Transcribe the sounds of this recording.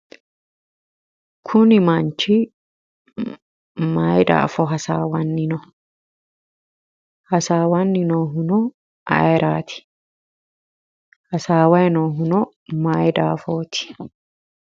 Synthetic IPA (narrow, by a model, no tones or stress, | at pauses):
kʰʊnɪmɐnt͡ʃɪ | maːjd̪a̰ːfɔɦɐsaːwɐnːɪnɔ | hɐsaːwɐnːɪnoːɦʊnɔ | ʔɐ̰jɛɾʔaːt̪ɪ̥ | hɐsaːwɐjɛnoːɦʊnɔ | maːjd̪aːfoːt̪ɪ̥